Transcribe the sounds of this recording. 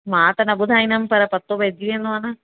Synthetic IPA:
maːt̪ɐnɐbud̪ʱaːjnɐmpɐɾɐpɐt̪ːobed̪iend̪oɐnɐ

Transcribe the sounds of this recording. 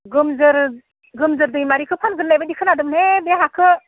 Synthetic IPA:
ɡɯmzɯɾ | ɡɯmzɯɾdɯjmaɾikʰɯpʰanɡɯnːajbadikʰɯnadɯmnebeɦakʰɯ

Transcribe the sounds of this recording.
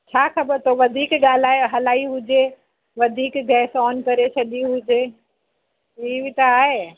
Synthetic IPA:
t͡ʃʰaːxɐbəɾt̪ʰoʋɐd̪ʱiːkɡaːlaːɦɐlaːiɦʊd͡ʒe | ʋɐd̪ʱiːkɡʱɛːsɔːnkɐɾet͡ʃʰɐɗiɦʊd͡ʒeː | iːʋit̪ɐaːɦe

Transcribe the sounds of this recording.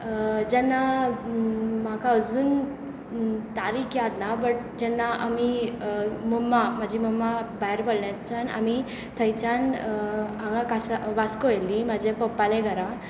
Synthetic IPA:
d͡ʑɛnːa | m̤akaəd͡zuːn | t̪aɾikʰjat̪nabəʈ | d͡ʑɛnːaʔa̰mi | məmːam̤ad͡ʑʱiməmːabaɦeɾbəɽɳjat͡ɕana̰mi | t̪ʰəjt͡ɕan | ãŋɡakasaʋaskɔjlimad͡ʑʱepəpːaleɡʱəɾa

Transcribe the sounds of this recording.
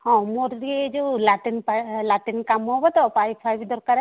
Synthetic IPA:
hɔ̃moɾɾied͡ʒolaʈinpalaʈinkamɔɦɔbɔt̪ɔpajpʰajbd̪ɔɾkaɾɛ

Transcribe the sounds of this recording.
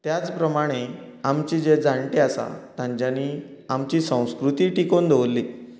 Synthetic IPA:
t̪jat͡spɾəmaɽ̃eamt͡ɕiːd͡zed͡zãɳʈiasa̰t̪ãɲt͡ɕjaniːamt͡ɕiːsə̃w̃skɾut̪iːʈikond̪ʱewlːi

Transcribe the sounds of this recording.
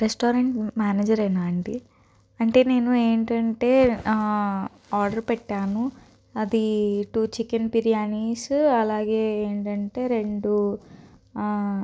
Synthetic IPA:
ɾesʈoːɾɐɳʈmaːneːd͡ʒɐɾɐjnaːɐɳʈi | ɐɳʈe̞ːne̞ːnueːɳʈɐɳʈe̞ː | aːɾɖɐɾpɛʈːaːnu | ɐd̪iʈuːt͡ʃikenpiɾijaːniːsɐlaːɡe̞ːeːɳʈɐɳʈe̞ːɾe̞ɳɖu

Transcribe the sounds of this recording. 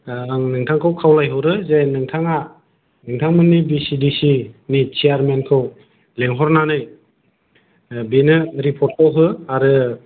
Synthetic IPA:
aŋnɯŋtʰaŋkʰɯwkʰawlajɦɯwɾɯzejnɯŋtʰaŋa | nɯŋtʰaŋmɯnːibisidisinit͡ʃijaɾmenkʰɯw | leŋɦɔɾnanɯj | benɯɾipʰɔɾt̚kʰawɦɯaɾɯ

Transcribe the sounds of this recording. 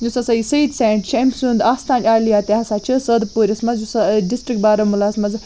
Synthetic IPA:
njusɐsɐisɐid̪sẽːɳʈʃemʲsund̪aːst̪ʰaːnʲaːlijaːt̪ʲeɦɐsat͡ʃʰɨsəːd̪puːɾʲɐsmɐzjusɐɖisʈɾik̚ʈ̚baːɾɐmulaːsmɐz

